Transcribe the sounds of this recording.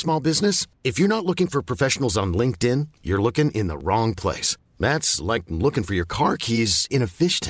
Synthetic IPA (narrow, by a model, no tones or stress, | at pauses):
smɔlˠbɪznɨsɨfjə˞nətˡlʊkɪ̃ŋfə˞pʰɹ̥əfɛʃn̩l̩ˠzn̩lɪ̃ŋk̚tɪ̃njə̰˞lʊkɪ̃ŋʔɪ̃nðə̰ɹɔ̃ŋpʰl̥ḛɪs | ðætslaɪk̚lʊkɪ̃ŋfə˞jə˞kʰɑɹkʰizɨ̃ñɨfɪʃtʰã